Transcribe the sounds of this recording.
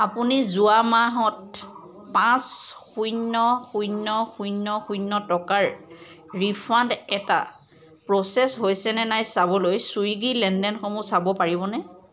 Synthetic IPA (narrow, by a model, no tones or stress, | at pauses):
apunizuamaɦɔt | pãsxujnːɔxujnːɔxujnːɔxujnːɔtɔkaɹɹipʰandɛta̰ | pɹɔsɛsɦojsɛnɛnajsabɔlojsujɡilɛndɛnxɔmusabɔpaɹibɔnɛ